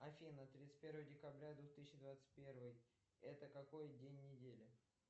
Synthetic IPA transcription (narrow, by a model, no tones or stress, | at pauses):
ɐfʲinət̪ɾʲit̪sɨ̥tʲpʲeɾvəjədʲɪkɐbɾʲad̪vuxt̪ɨsʲɕɪd̪vat̪sɨ̥t̚ʲpʲe̞rvɨj | ɛt̪əkɐko̞jdʲenʲːɪdʲelʲɪ